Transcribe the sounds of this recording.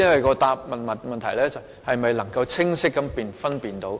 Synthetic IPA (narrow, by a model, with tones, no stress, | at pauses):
ɐ˥nwɐ˨jkɔː˧t̪aː˨˧p̚mɐ˨nmɐ˨nmɐ˨nt̪ʰɐ˨˩jlɛː˥t͡sɐ˨w | hɐ˨jmɐ˨jlɐ˨˩ŋkɐ˧wt͡sʰɪ˥ŋsɪ˥kːɐ˨˥mpiː˨nfɐ˥npiː˨˩nt̪o˨˥w